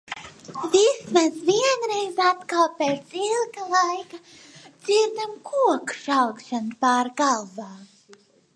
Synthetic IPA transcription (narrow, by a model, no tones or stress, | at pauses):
vismasviɛnɾejzat̪kalˠpeːt̪silˠɡalˠajka | d̪z̥iɾd̪amkʰuɔkʃawkʃanpaːɾɡalˠbaː